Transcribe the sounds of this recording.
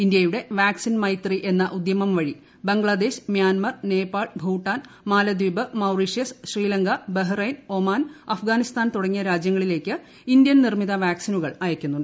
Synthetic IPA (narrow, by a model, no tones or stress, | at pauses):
ind̪jɐjuɽe̞ʋaːksinmɐjt̪riʔe̞nːɐʔud̪jɐmɐmʋɐɻi | bɐŋɡɭɐd̪e̞ːɕmjaːnmɐrne̞ːpːaːɭbʱuːʈːaːn | maːlɐd̪uːbɐmɐwriʂjɐsɕriːlɐŋɡɐbeɦrɐjnomaːnɐfɡaːnist̪ʰaːnt̪uɽɐŋːijɐɾaːd͡ʑjɐŋːɐɭile̞ːkʲːɨ | ind̪jɐnnirmiðɐʋaːksinuɣɐɭɐjɐkʲːunːuɳɖɨ